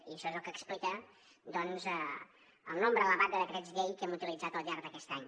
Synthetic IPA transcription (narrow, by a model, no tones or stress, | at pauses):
iəʃɔezəlˠkəːksplikə | d̪ɔnzə | əlˠnombɾəələβand̪əðəkɾɛd͡zʎejkɛmut̪ilid͡zat̪əlˠʎaɾðəkɛst̪aɲ